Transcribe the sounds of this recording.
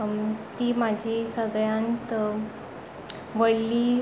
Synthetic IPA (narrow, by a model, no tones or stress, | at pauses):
t̪iːmad͡ʑʱisəɡɭjãnt̪ | ʋəɽliː